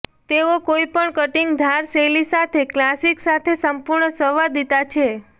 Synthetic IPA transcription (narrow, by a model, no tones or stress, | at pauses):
t̪eokoipəɳkəʈiŋɡd̪ʱaɾselisat̪ʰeklasiksat̪ʰesəmpuɾɳəsəʋad̪it̪at͡ʃʰe